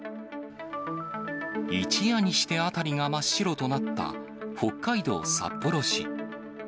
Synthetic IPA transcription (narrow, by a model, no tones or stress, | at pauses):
it͡ɕijaɲ̟iɕi̥t̪e̞at̪aɾʲiŋamaɕːiɾo̞t̪o̞nat̪ːa̰ | ho̞kːaid̪o̞̰ːsa̰pːo̞ɾo̞ɕḭ